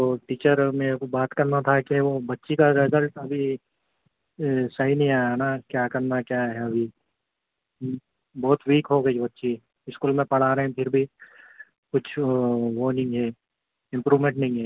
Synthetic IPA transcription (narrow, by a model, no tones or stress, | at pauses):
t̪oʈiːt͡ʃəɾmẽbaːt̪kɐɾnat̪ʰakeʋobɐtːʃikaɾɪzəlʈɐbʱi | sɐɦinəɦĩaːjanakjaːkəɾnakjaːɦɛɐbʱi | bɔːt̪ʋiːkɦoɡɐibɐtːʃi | ɪskuːlmẽpɐɽ̤aːɾeɦɛ̃pʰɪɾbʱi | kʊt͡ʃʰʋoːnɪ̃ŋɡɦɛ | ɪ̃mpɾuːmẽɳʈ̚nə̃ɦĩŋɦɛː